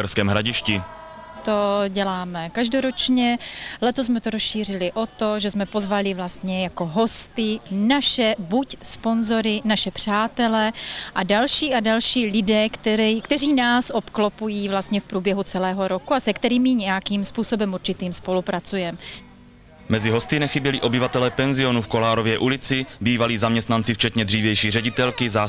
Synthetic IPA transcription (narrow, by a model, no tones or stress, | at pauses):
ɛɾskɛːmɦɾaɟɪʃcɪ | t̪oɟɛlaːmɛkaʒdo̞ɾot͡ʃɲɛlɛt̪os̬mɛt̪oɾosʃiːr̝ɪlɪʔo̞t̪o̞ʒɛsmɛpo̞zvalɪvlast̪ɲɛjako̞ɦo̞st̪ɪnaʃɛbucspo̞nzo̞ɾɪnaʃɛpr̝̥aːt̪ɛlɛʔadalʃiːʔadalʃiːlɪdɛːkt̪ɛɾkt̪ɛriːnaːsʔopklopujiːvlast̪ɲɛfpɾuːbjɛɦut͡sɛlɛːɦo̞ɾo̞kuasɛkt̪ɛɾiːmɪɲɛjakiːmspuːso̞bɛmuɾt͡ʃɪt̪iːmspo̞lupɾat͡sujɛm | mɛzɪɦo̞st̪ɪnɛxɪbjɛlɪʔo̞bɪvat̪ɛlɛːpɛnzɪo̞nufkolaːɾo̞vjɛːʔulɪt͡sɪbiːvaliːzamɲɛst̪nant͡sɪft͡ʃɛt̪ɲɛd̪r̝iːvjɛjʃiːrɛɟɪt̪ɛlkɪza